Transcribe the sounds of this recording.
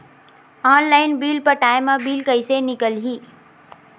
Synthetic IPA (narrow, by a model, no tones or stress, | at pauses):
aːnlaɪnbiːlpəɾʈaːɪmːãbiːlkəɪsenikəlɦi